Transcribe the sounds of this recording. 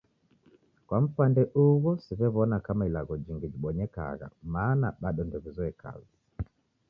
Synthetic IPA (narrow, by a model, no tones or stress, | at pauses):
kwam̩pandɛʔuɣɔsivɛβɔnakamailaɣɔd͡ʒiŋɡid͡ʒiɓɔɲɛka̰ɣa̰maːnaɓaɗɔndɔβizɔɛkʰa̰za